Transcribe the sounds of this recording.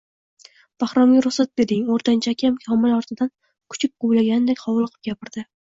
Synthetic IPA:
b̥ahɾɒmʲɾʊχsat̪̚be̞ɾd̪ɪŋoɾt̪ʰant͡ʃʰakʲamkʲʰɒmɪlɒɾt̪ʰɪd̪an | kʰʊ̥t͡ʃʰɪp̚qʰojlaɡʲanɪd̪ekʲχʰɒwlˠɨqʰɨp̚ɡʲapʰɪɾd̪̥ɪ

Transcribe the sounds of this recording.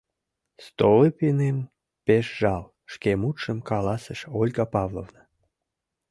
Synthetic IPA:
st̪olipinem | peʃʒɑl | ʃkemut̪ʃəmkɑlɑsəʃolʲɡɑpɑvlo̰vnə

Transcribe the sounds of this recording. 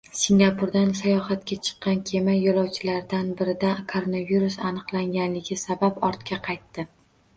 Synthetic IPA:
siŋɡʲapʰʊɾd̪ansajɒhat̪kʲat͡ʃʰɨ̥qːɑnkʲʰe̞majjːolˠɒwt͡ʃʰɪlaɾd̪anbɪɾɪd̪akʰoɾonaviɾusanɨqlˠaŋɡʲanlɪɡʲɪsabapɒɾt̪kʲʰaqʰɑjt̪ːɪ

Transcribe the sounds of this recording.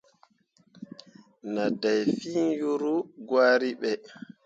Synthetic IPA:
nadajfiːnjuɾuɡwaːɾiɓɛ

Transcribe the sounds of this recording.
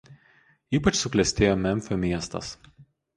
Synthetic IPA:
iːpɐt͡ʃsʊklʲɛsʲt̪ʲeːjoːmʲɛmʲˑfʲoːmʲiɛst̪ɐ̰s

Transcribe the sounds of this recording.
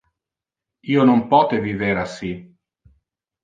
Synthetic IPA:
iːonompɔːt̪eviveɾasi

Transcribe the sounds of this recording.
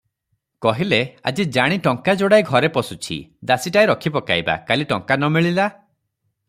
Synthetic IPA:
kɔɦilea̰d͡ʒid͡ʒaɽ̃iʈɔŋkad͡ʒoɽajɡʱɔɾepɔsut͡ʃʰḭd̪asiʈajɾɔkʰipɔkajba̰kaliʈɔŋkanɔmiɭila

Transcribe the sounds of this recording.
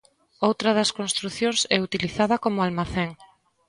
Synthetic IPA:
owt̪ɾɐðɐskonst̪ɾuθjõŋsɛut̪iliθaðɐkomʊalmaθeŋ

